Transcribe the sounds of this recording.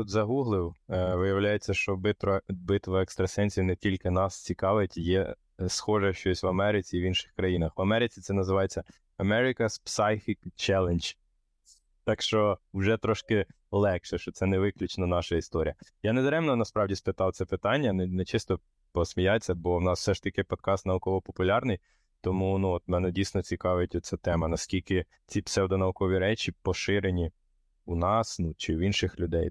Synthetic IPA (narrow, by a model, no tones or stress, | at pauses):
ut̪zɐɦuɦlˠɪwʋɪjɐwlʲajet͡sʲːɐʃt͡ʃɔbɪt̪ɔbɪt̪ʋɐɛkst̪ɾɐsɛnʲsʲijnɛtʲilʲkɪnɑst͡sʲikɑʋɪtʲjɛ̰ | sxɔʒɛʃt͡ʃɔsʲʋɐmɛɾɪt͡sʲiːʋinʃɪ̥xkɾɐjinɐxʋɐmɛɾɪt͡sʲit̪sɛnɐzɪʋɑjet͡sʲːɐ | ɐmɛɾɪkɐspsɑjfʲikt͡ʃɛlˠenʲd͡ʒ | t̪ɑkʃt͡ʃɔʊʒɛt̪ɾɔʃkɪ | lˠɛkʃɛʃt͡ʃɔt̪sɛnɛʋɪklʲʊt͡ʃnɐnɑʃɐist̪ɔɾʲḭjɐjɑned̪ɾɛmnɔnɐspɾɑwdʲispɪt̪ɑwt̪sɛpɪt̪ɑnʲːɐnɛnɛt͡ʃɪst̪ɔ | pɔsmʲijat͡sʲːɐbɔwnɑsw̥sɛʃt̪ɐkɪpɔd̪̚kɑst̪nɐʋʊkɔʋɔpɔpʊlʲɑrnɪj | t̪ɔmunuɔt̪mɛnɛdʲijsnɔt͡sʲikɑʋjʊtʲɔt͡sʲat̪ɛmɐnɐskʲilʲkɪ | t͡sʲipsɛwd̪ɔnɐʊkɔʋʲiɾɛt͡ʃʲipɔʃɪɾenʲi | unɑsnut͡ʃɪwinʃɪxlʲʊd̪ɛj